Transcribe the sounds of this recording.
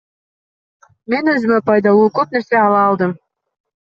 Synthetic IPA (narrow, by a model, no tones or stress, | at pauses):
menɵzɪmepɑjd̪ɑlˠukøp̚neɾseɑlˠɑːlˠd̪əm